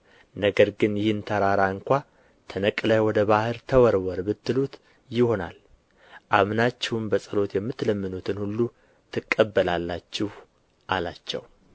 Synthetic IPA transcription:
nəɡəɾɡɨnjɪhɨnt̪ʰəɾaɾaɨŋkʷa | t̪ʰənəkʼləjwɔd̪əβahɨɾt̪ʰəwɔɾwɔɾbɨt̪ːɨlut̪ | jɪho̞na̰l | ʔaβnat͡ʃːɛwɨmbəsʼəlo̞t̪jɛmːɨt̪ːləmːɨnut̪ʰɨnhulːu | t̪ʰɨkʼːəbːəlalːat͡ʃːɪh | ʔalat͡ʃːɛ̰w

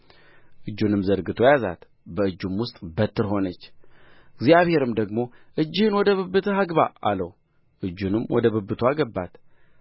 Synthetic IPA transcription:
ʔɨd͡ʒːunɨmzəɾɡɨt̪ʰo̞jaza̰t̪ | bəɨd͡ʒːumwʊst̪ʼbət̪ʰːɨɾɦo̞nət͡ʃːɪɡzjaβhe̞ɾɨmd̪əɡmo̞ʔɨd͡ʒːɪhɨnwɔd̪əβɨbːɨt̪ʰəɦaɡba̰a̰ləw | ʔɨd͡ʒːunɨmwʔɔd̪əβɨbːɨt̪ʰoaɡəbːat̪

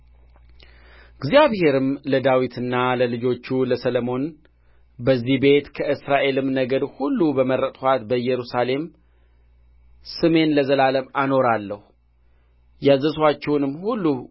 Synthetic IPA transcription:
ɨɡzijaβhe̞ɾɨmləd̪awit̪ʰɨnːaləlɨd͡ʒo̞t͡ʃːuləsələmo̞n | bəzːihbe̞t̪kʰəʔɨsɾaʔe̞lɨmnəɡəd̪hulːubəmərːət̪ʼwat̪bəjɛɾusale̞m | sɨme̞nləzəlaləmano̞ɾalːəhu | jazːəswat͡ʃːɛwnɨmːhulːu

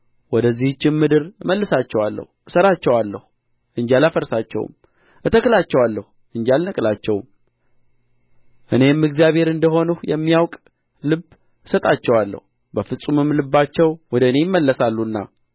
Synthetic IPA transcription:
wɔd̪əzːiht͡ʃːɪmmɨd̪ɨɾməlːəsat͡ʃːɛwalːə̰husəɾat͡ʃːɛwalːəhu | ʔɨɲd͡ʒalafəɾsat͡ʃːɛ̰w̰m | ʔɨt̪ʰəkɨlat͡ʃːɛwalːəhu | ʔɨɲd͡ʒalnəkʼlat͡ʃːɛwm | ʔɨne̞mːɨɡzijaβhe̞ɾɨnd̪əɦo̞nuhjɛmːijawkʼ | lɨb | sət̪ʼat͡ʃːɛwalːə̰hu | bəfɨsʼumɨmlɨbːat͡ʃːɛwwɔd̪əɨnejmːəlːəsalːunːa̰

